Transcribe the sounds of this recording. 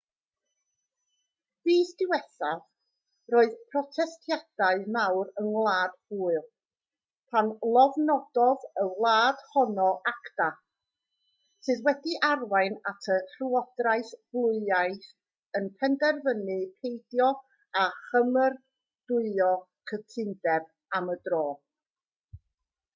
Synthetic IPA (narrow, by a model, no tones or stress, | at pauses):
v̥iːsd̥ɪwɛθav | roːɨðpʰrɔtʰɛstʰjad̥aɨmawɾənwlˠaːd̥huːɨlˠ | pʰanlˠɔvnɔd̥ɔðəwlˠaːd̥hɔnɔʔakd̥a | sɨðwɛdiʔarwaɨnatʰəhruɔdrajθb̥lˠʊɨajθ | ənpʰɛndɛrvənɨpʰejdjɔ | aχəmər | d̥ʊɨɔ | kʰətʰɪndɛb̚ | amədroː